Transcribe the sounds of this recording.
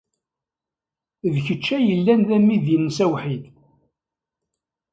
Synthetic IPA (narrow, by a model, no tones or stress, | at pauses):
ðçət͡ʃːæjəlːænðæmːiðjənːəsæwħid̪